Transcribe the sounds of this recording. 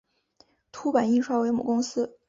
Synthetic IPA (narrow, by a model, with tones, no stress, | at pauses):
t̪ʰu˥pa˨˩˦ni˥˧ʂwa˥˩we˧˥ɪmu˨˩kʊ˥ŋsɹ̩˥